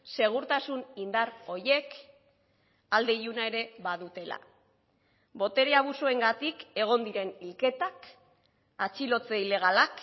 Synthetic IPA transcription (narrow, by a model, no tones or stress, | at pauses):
se̞ɣ̞uɾt̪asunind̪aro̞je̞k | ald̪e̞junae̞ɾe̞βaðut̪e̞la̰ | βo̞t̪e̞ɾeaβusoe̞ŋɡat̪ike̞ɣ̞o̞nd̪iɾe̞nilke̞t̪ak | at͡ʃilo̞t͡se̞ile̞ɣ̞alak